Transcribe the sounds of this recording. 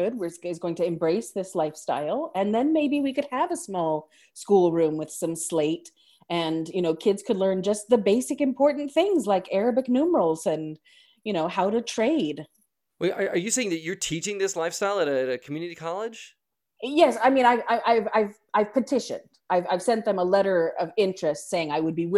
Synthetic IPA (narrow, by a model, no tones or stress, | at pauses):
ʊd̚wɨzɪzɡoʊɪ̃ŋtʰɨɨ̃mbɹeɪsðɪslaɪfsta̰ɪlˠɨ̃nðɨ̃nmeɪbiwikɨd̚əvəsmɔlˠ | skulˠɹʉ̃mwɨð̥sʌ̃msleɪɾ | ɨ̃njɨñoʊkʰɪdz̥kʰɨdˡlɜ̃˞nd͡ʒʌst̪̚ðɨbeɪsɨkɨ̃mpʰɔɹʔn̩θɪ̃ŋzlaɪkɛɹɨbɨknʉmə˞l̩ˠz̥ɨ̃n | jɨñoʊhaʊɾɨtʰɹ̥eɪd̥ | wɛʔəʔə˞jɨseɪɪ̃ŋðɨt͡ʃə˞tʰit͡ʃɪ̃ŋðɪslaɪfstaɪlˠəɾɨɾɨkʰm̩jʉnɨɾikʰɑlˠɪd̥ʒ̥ | jɛsaɪmĩnaɪvaɪʔaɪvaɪv | aɪv̥pʰətʰɪʃɨ̰̃nd̥aɪvaɪv̥sɛ̃nðɨ̃məlɛɾə˞ʌvɪ̃nt͡ʃɹ̥ɨstseɪɪ̃ŋaɪwɨd̚biwɪ